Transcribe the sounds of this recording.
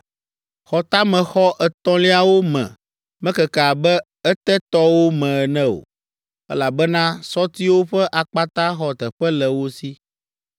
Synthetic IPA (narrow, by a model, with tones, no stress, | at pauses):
xɔ˨t̪a˦mɛ̃˨xɔ˦ʔɛ˨t̪ɔ̃˦li˦a˦wo˦mɛ̰̃˨ | mɛ̃˦kɛ˨ka˨bɛ˦ | ɛ˦t̪ɛ˦t̪ɔ˦wo˦mɛ̃˨ɛ˨nɛ̃˦o̰˨ | ɛ̰˦la˨bɛ˦nã˦sɔ˦t̪i˦wo˦ɸɛ˦ʔa˨k͡pa˦t̪ã˦xɔ˨t̪ɛ˨ɸɛ˦lɛ˨wo˦si˦